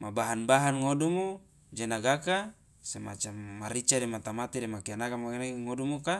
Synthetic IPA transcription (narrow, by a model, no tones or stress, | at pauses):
mabaɦanbaɦanŋodumo | d͡ʒenaɡaka | sema̰t͡ʃamːaɾit͡ʃademat̪amat̪idemakianakamaneŋodumoka